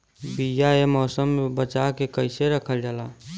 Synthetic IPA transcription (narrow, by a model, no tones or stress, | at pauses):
bijaemɔːsəmːebət͡ʃakekəɪseɾəkʰəld͡ʒala